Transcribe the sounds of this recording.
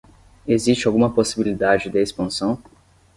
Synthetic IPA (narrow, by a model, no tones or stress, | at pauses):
ezist͡ʃɪawɡũmɐposibilid̪ad͡ʒɪd̪ɪespɐ̃sɐ̃w̃